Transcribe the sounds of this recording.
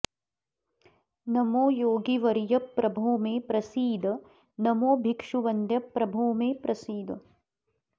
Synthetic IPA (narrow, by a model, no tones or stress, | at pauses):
nɐmoːjoːɡiʋɐɾjɐpːɾɐbʱoːmeːpɾɐsiːd̪ʱ | nɐmoːbʱikʂuʋɐnd̪ʱjɐpːɾɐbʱoːmeːpɾɐsiːd̪